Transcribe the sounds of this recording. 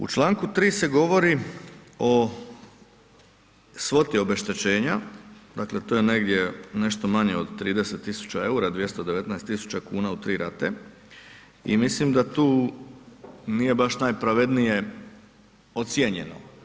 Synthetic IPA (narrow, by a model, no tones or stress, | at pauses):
ṵt͡ʃlˠaːŋkut̪ɾiːse̞ɡo̞ʋo̞ɾi | o | sʋo̞t̪io̞be̞ʃt̪e̞t͡ɕe̞ːɲad̪akle̞t̪oːjene̞ɡd̪je̞ne̞ʃt̪o̞maɲe̞od̪t̪ːɾiːd̪eset̪ːisu̥t͡ɕae̞uɾad̪ʋje̞st̪o̞d̪e̞ʋe̞t̪nɛest̪ːisu̥t͡ɕakuːnaut̪ɾiːɾat̪e | ḭmislimd̪at̪uː | nije̞baʃnaːjpɾaʋe̞d̪nije̞ | ot̪sjeɲe̞̰no̰